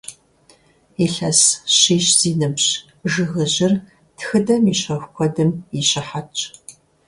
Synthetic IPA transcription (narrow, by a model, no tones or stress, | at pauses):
iɬɐsɕiːɕz̥iːnɨbɕ | ʒɨɣɨʑɪr | tʰxɨdɐmiːɕɐxʷkʷʰɔdɨmiɕɪħat͡ʃʼ